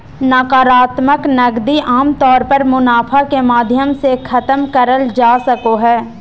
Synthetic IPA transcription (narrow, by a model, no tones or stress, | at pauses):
naːkaːɾaːt̪məknɐɡd̪iʔaːmt̪ɔːɾpɐɾmʊnaːpʰakemaːd̪ʱjəmsekʰɐt̪əmkəɾəld͡ʒaːsɐkoɦɛː